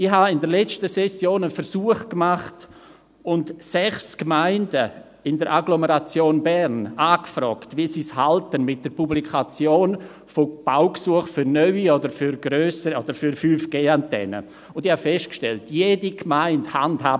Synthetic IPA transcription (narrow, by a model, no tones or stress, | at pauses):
ɪhaɪndəɾlɛt͡stəsɛsjoːnəfɛɾsuːəχkmaχt | ʊntsɛχskmaɪndə | ɪndəɾʔaɡloməɾat͡sjoːnbɛɾnaːkfɾɔ̰ːktviəsiːshaltənmɪt̚d̥əɾpublikʰat͡sjoːn | fob̥aʊksuəχfʏɾnœʏiɔdəɾfyɾɡɾøːsəɾiɔd̥əɾfyɾfyːfɡ̥eːantʰɛ̰nə̰ | ʊndɪhafɛstkʃtɛltjeːdikmaɪnthandhaːb